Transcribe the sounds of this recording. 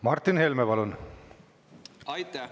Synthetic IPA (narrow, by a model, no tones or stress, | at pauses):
mɑrt̪ːinhelmepɑlun